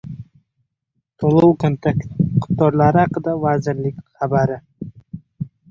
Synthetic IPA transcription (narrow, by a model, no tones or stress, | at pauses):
t̪ʰolˠowkʰont̪ʰekt̪qʰʊ̥t̪ːɒɾlaɾɪhaqɨd̪avazɪɾlɪkʲχabaɾɪ